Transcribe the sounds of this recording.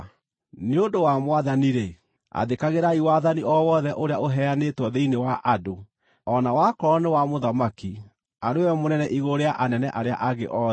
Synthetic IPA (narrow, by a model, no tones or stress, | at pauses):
neodowamwaðaniɾe | a̰ðekaɣeɾaiwaðaniʔɔwɔðɛʔoɾeaʔoɦɛanetwɔðeinewaʔado | ɔnawakɔɾɔnewamoðamaki | aɾeejɔmonɛnɛʔiɣoɾeaʔanɛnɛʔaɾea̰ʔaɣḛʔɔː